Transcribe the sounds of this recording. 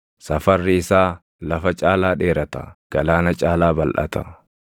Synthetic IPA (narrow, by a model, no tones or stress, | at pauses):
sɐfɐrːɪɪsaː | lɐfɐt͡ʃʼaːlaːᶑe̞ːɾɐt̪ɐ̰ɡ̥ɐlaːnɐt͡ʃʼaːlaːbɐlʔɐ̰t̪ɐ